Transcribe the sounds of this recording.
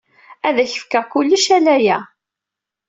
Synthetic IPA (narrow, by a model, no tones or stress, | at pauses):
æðæçə̥fkæʁkʊlːəʃælæjæ